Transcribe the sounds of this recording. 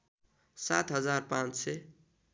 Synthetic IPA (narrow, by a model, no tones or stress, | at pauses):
sat̪ɦʌd͡zarpãnt͡sse